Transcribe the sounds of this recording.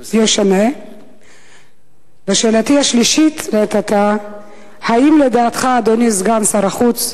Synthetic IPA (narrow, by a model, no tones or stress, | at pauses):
jeʃane | beʃeːlat̪ihaʃliʃit̪let̪at̪a | haimled̪aːt̪χaːd̪onisɡansaɾaχut͡s